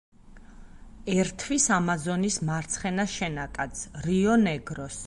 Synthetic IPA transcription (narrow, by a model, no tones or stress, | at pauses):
ɛɾt̪ʰvisamazɔnismaɾt̪sʰχɛnaʃɛnakʼat̪sʰɾiɔnɛɡɾɔs